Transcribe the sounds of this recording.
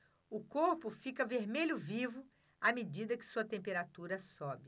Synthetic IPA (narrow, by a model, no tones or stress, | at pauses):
ʊkoɾpʊfikɐveɾmeʎʊvivʊ | amed͡ʒid̪ɐkɪ̥suɐt̪ẽpeɾat̪uɾɐsɔbɪ